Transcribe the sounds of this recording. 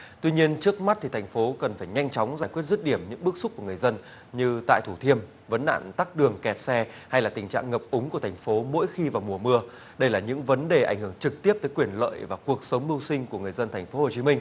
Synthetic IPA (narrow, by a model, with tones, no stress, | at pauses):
t̪wi˧ɲi˧ənt͡ɕɨ˦˥ək̚ma˦˥t̚t̪ʰi˨˩t̪ʰjŋ̟fo˨˦kə˨˩nfaː˧˩jɲa˧jŋ̟t͡ɕɔ˨˦wŋ͡mzaː˧˩jkwi˦˥ət̚zt̚ɗi˧˩əmɲɨ̰˧˥ŋɓɨ˦˥ək̚sʊ˦˥k͡p̚ku˧˩əŋɨ˨˩ə˩jzə˧n | ɲɨ˧t̪a̰ː˧˨jt̪ʰu˧˩t̪ʰi˧əm | və˨˦nɗa̰ː˧˨nt̪aː˦˥k̚ɗɨ˨˩əŋkɛ˨˩t̚sɛ˧ | ha˧jlaː˨˩t̪ï˨˩ŋ̟t͡ɕa̰ː˧˨ŋŋə˨˩p̚ʔʊ˨˦ŋ͡mku˧˩ət̪ʰŋ̟fo˨˦mo̰˧˥jxi˧vaː˨˩wmu˨˩əmɨ˧ə | ɗə˧jlaː˨˩ɲɨ̰˧˥ŋvə˨˦nɗe˨˩ʔa̰˧˩jŋ̟hɨ˧˩əŋt͡ɕɨ˨˩k̚t̪i˦˥əp̚t̪əː˨˦jkwi˧˩ənlə̰ː˧˨jvaː˨˩ku˨˩ək̚sə˨˦wŋ͡mmɨ˧wsï˧ŋku˧˩əŋɨ˨˩əjzə˧nt̪ʰa˨˩ŋ̟fo˨˦ho˨˩t͡ɕi˨˦mï˧ŋ̟